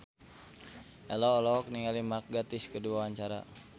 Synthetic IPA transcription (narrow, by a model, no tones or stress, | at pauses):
ʔɛlɔːlɔɔk̚niŋalimak̚ɡat̪iskəduawaɲt͡ʃaɾa̰